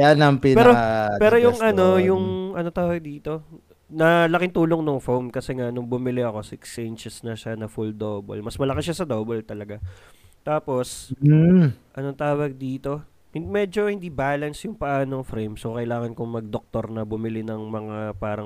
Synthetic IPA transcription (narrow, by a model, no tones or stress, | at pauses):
anɐŋpɪnpɛɾopɛːɾojʊŋʔɐno̞jʊŋʔɐnot̪aːwɐɡ̚d̪iːt̪o̞ | nɐlɐkɪŋt̪uːloŋnoŋfowmkɐsɛŋanʊŋbʊmɪlɪɐko̞sɪksɛnt͡ʃɛsnɐʃanɐfuld̪oːbo̰lmɐsmɐlɐkɪʃasɐd̪oːbɐlt̪ɐlɐɡat̪aːpo̞s | ʔɐnot̪aːwɐɡ̚d̪iːt̪o̞ | hɪmɛːd͡ʒo̞hɪnd̪ibaːlɐnsjʊŋpɐʔaːno̞ŋfɾɛjmsokɐʔɪlaːŋɐnkʊŋmɐɡ̚d̪ok̚t̪o̞ɾnɐbʊmɪlɪnɐŋmɐŋapaːɾɐŋ